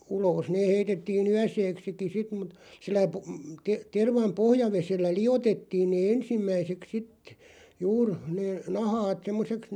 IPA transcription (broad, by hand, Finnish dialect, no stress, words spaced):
uloːs neː heitetːiːn yæseːksiki sit mut silːæ pu te terʋɑm pohjɑʋeselːæ lij̆otetːiːn neː ensimːæiseks sit juːr neː nɑhɑːt semːoseks